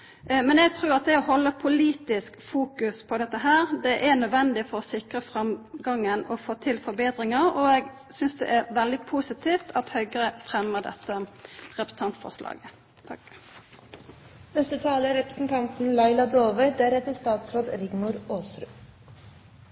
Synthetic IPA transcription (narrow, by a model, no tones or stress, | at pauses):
mɛnɛɡ̚t̪ʰʁʉːʁɑt̪̚d̪ɛɔhɔlːəpʰʊliːt̪ɪskfuːkʉspʰɔd̪ɛt̪ːəɦæːʁd̪ɛʔɛnœd̪ʋɛnd̪ɪfɔɾɔsɪkɾəfɾɑmɡɑŋːənɔfoːt̪ʰɪlfɔɾbeːd̪ʁɪŋɑʁɔɛɡ | sʏnsd̪ɛ̰ʔæɾʋɛld̪ɪpʰuːsɪt̪ʰiːft̪ʰɑt̪hœʏɡəʁəfʁɛmːəʁd̪ɛ̰t̪ːəʁɛpɾəsən̩t̪ɑnt̪fɔ̰ʁʂlʔɑ̰ːɡə | t̪ʰɑ | nɛst̪ət̪ʰɑːləɾɛpɾəsn̩t̪ʰɑnt̪n̩lɑɪlɑd̪oːʋəd̪æɾhɛt̪ːəst̪ɑːt̪sɾoːd̪ɾɪɡmʊɾoːsɾʉ̰ː